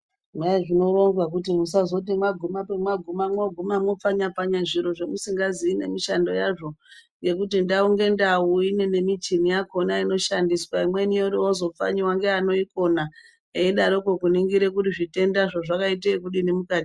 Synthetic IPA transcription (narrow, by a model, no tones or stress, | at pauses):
ʐwaeʐino̞ɾo̞nɡwak̬ut̬imus̬azo̞t̬imwaɡʱumapemwaɡʱumamwoɡʱumamop͡faɲapaɲaʐiɾo̞ʐemusiŋɡaziːne̞̰miʃando̞jaʐo̞ŋɡe̞k̬utindauŋɡe̞ndauine̞ne̞mit͡ʃimijakonaino̞ʃandiswaimwe̞nijoɾiozo̞p͡fa̰ɲiwaŋɡeano̞iko̞na | eiɗaɾokokuniŋɡiɾe̞kuɾiʐite̞ndaʐoʐakaitekuɗinemukaːti